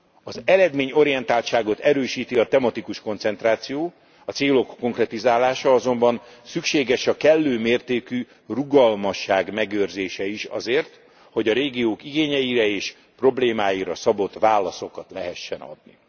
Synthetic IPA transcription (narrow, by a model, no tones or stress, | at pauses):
ɒzɛlɛd̪meːɲo̞ɾijɛnt̪aːlt̪ʃaːɡo̞t̪ɛɾøːʃiːt̪iɒt̪ɛmɒt̪ikuʃko̞nt̪sɛnt̪raːt̪sijoː | ɒt̪seːlo̞kːo̞ŋkrɛt̪izaːlaːʃɒɒzo̞mbɒnsykʃeːɡɛʃɒkɛlːøːmeːrt̪eːky | ruɡɒlmɒʃːaːɡmɛɡøːrzeːʃɛiʃɒ̰zeːrt̪ | ho̞ɟɒɾeːɡioːkiɡeːɲɛjiɾɛeːʃ | pro̞bleːmaːjiɾɒsɒbo̞t̪ʋaːlːɒso̞kɒt̪lɛɦɛʃːɛnɒ̰d̪nḭ